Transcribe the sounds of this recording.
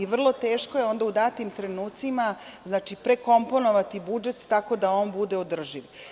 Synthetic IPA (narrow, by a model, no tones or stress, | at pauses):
iʋr̩lˠo̞t̪eːʃkoje̞o̞nd̪aud̪aːt̪imt̪ɾenuːt̪simaznaːt͡ʃipɾe̞ko̞mpo̞no̞ʋat̪ibud͡ʒe̞t̪ːako̞d̪aoːnbud̪e̞od̪r̩ʒiʋ